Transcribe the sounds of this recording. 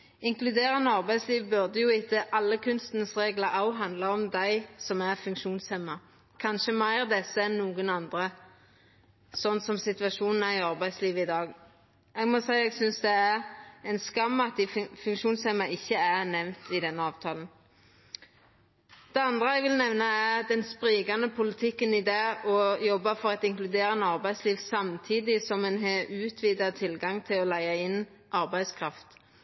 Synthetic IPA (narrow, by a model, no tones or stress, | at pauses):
ɪŋklʉd̪eːʁənəɑʁbæɪsliːʋbʉʁd̪əjʊɪt̪ːəʔɑlːəkʰʉnst̪nəsʁeːɡlɑʔɑʊɦɑnd̪ləɔmd̪æɪsɔmæʁfʉŋkʃuːnshɛmːɑ | kʰɑnʃəmæɪʁd̪ɛsːəɛnːuːɡənɑnd̪ʁɾə | sɔnsɔmsɪt̪ʋɑʂuːnn̩æɪɑʁbæɪd̪sliːʋəɪd̪ɑːɡ | ɛɡmɔsæɪɛːɡsʏnsd̪ɛæʁɛɪnskɑmːɑt̪̚d̪ɪfʉŋkʃuːnsɛmɑʔɪçːəænɛʋnt̪ɪd̪ɛnːəɑːʋt̪ʰɑːlən̩ | d̪̥ɛɑnd̪ɾəɛɡʋɪlnɛʋnɑæɾd̪ɛnspɾiːɡɑnəpʰʊlɪt̪ʰɪkːənɪd̪ɑːɔjɔbːɑfɔɾɑt̪ɪŋklʉd̪eːɾɑnəɑɾbæɪsliːʋsɑmt̪ʰiːd̪ɪsɔmɛnɦeʉːt̪ʰʋiːd̪ɑt̪ʰɪlɡɑŋt̪ʰɪlɔlæɪɑɪn | ʔɑɾbæɪskʰɾɑft̪